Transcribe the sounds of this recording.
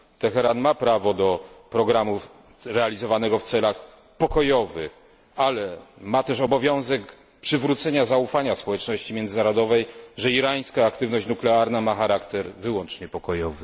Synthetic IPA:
t̪ɛxɛɾanmapɾavɔd̪ɔpɾɔɡɾamu | ɾɛalʲizɔvanɛɡɔft̪sɛlax | pɔkɔjɔvɘ | alɛmat̪ɛʂɔbɔvʲjɔ̃w̃zɛk | pʂɘvɾut̪sɛɲazaufaɲaspɔwɛt͡ʂnɔɕt͡ɕimʲjɛnd̪zɘnaɾɔd̪ɔvɛjʐɛiɾaj̃skaːkt̪ɘvnɔɕt͡ɕnuklɛaɾnamaxaɾakt̪ɛɾvɘwɔnt͡ʂɲɛpɔkɔjɔvɘ

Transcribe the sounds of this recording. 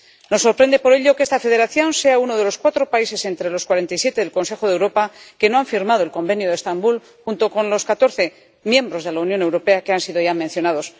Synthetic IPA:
no̞sːo̞ɾpɾe̞nd̪e̞po̞ɾe̞ʎo̞kest̪afe̞ðe̞ɾaθjo̞nse̞aunoð̞e̞lo̞skwat̪ɾo̞paise̞se̞nt̪ɾe̞lo̞skwaɾe̞nt̪ajsje̞t̪e̞ðelko̞nse̞xo̞ðe̞wɾo̞pake̞no̞aɱfiɾmað̞oe̞lko̞mbe̞njoðest̪ambul | xunt̪o̞ko̞nlo̞skat̪o̞ɾθe̞ | mje̞mbɾo̞zð̞e̞launjo̞newɾo̞pe̞akeansiðoʝamẽ̞n̟θjo̞naðo̞s

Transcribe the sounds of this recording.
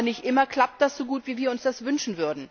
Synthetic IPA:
nɪçtʔɪmɐkl̥ap̚t̚d̥asz̥oɡuːtv̥iːviːɐʊnsd̥asvʏnʃn̩vʏɐdn̩

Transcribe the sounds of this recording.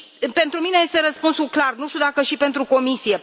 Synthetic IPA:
pe̞nt̪ɾumine̞je̞st̪e̞ɾəspunsulklarnuʃt̪ud̪akəʃipe̞nt̪ɾuko̞misije

